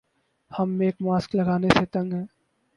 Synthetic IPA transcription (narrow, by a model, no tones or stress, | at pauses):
hɐmːeːkmaːsklɐɡaːneset̪ɐ̃ŋɡɦɛ̃ː